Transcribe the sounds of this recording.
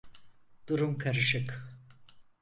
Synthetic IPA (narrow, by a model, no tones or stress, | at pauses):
d̪̥uɾumkʰaɾɯʃɯk